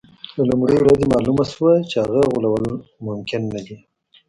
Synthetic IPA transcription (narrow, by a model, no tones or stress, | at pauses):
lalʊmɽiwɾazemɑlumaswat͡ʃehaɣaɣulawəlmʊmkɪnːad̪i